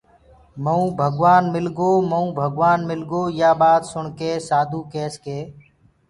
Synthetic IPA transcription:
məũːbʱəɡʋaːnmɪlɡoːməũːbʱəɡʋaːnmɪlɡoːjaːɓaːd̪sʊɳkeːsaːd̪ʱuːkeːskeː

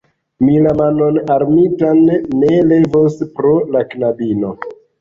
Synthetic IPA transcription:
milamanonaɾmitanːele̞vospɾolaknabino̞

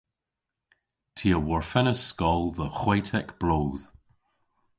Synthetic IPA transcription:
tʰiəwɔɹfɛnəskɔlˠðəxwaɪtʰɛkb̥loːð̥

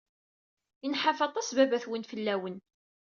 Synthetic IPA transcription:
inħafɑt̪ˤɑsbævæθwənfəlːæwən

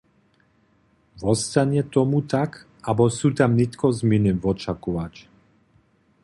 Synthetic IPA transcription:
vɔst̪aɲɛt̪ɔmut̪ak | abɔsut̪amnit̪kɔzminɛvɔt͡ʃakɔʋat͡ʃ

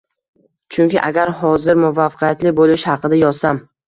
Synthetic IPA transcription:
t͡ʃʰʊŋkʲɪʔaɡʲaɾɦɒzɪɾmʊvafqʰijat̪lɪbolɪʃhɑqʰɨd̪ajɒzsam

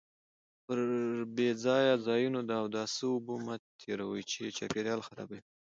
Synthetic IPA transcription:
pəɾbed͡zɑjazɑjunod̪əawd̪ɑsəʊbumat̪ʰeɾawəjt͡ʃet͡ʃa̰peɾjɑlxaɾɑ̰bai

